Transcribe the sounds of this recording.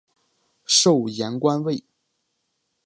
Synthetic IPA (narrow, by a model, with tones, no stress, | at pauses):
ʂo˥˩ʊjɛ˧˥nkwa˥nwe˥˩ɪ